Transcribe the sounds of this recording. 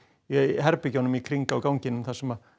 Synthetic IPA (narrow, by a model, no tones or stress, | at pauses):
iɦɛɾpɪcanʏmikʰɾiŋkaːwkawɲcɪnʏmθasɛma